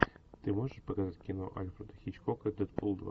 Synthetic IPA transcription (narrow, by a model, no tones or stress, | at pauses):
t̪ɨmoʐəʂpəkazatʲkʲɪnoʔa̰lʲfɾəd̪əxʲit͡ɕkokəd̪ɛt̪̚pulˠd̪v̰